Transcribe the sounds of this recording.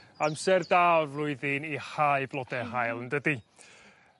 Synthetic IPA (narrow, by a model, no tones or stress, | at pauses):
amsɛrdarlʊɨðɨnihaɨblˠɔdɛɦajlˠəndədi